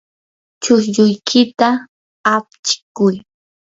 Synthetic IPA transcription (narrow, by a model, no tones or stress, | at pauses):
t͡ʃʊʃʎʊjkʰɪt̪a | ap̚t͡ʃɪ̥kʊj